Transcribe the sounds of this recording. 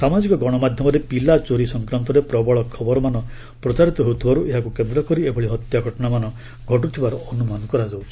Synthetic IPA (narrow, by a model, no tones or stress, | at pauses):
samad͡ʒikɔɡɔɽ̃ɔmad̪ʱjɔmɔɾepilat͡ʃoɾisɔŋkɾant̪ɔɾepɾɔbɔɭɔkʰɔbɔɾɔmanɔ | pɾɔt͡ʃaɾit̪ɔɦewt̪ʰibaɾuʔeɦakukend̪ɾɔkɔɾiebʱɔɭiɦɔt̪jaɡʱɔʈɔɽamanɔ | ɡʱɔʈut̪ʰibaɾɔːnumanɔkɔɾad͡ʒawt͡ʃʰi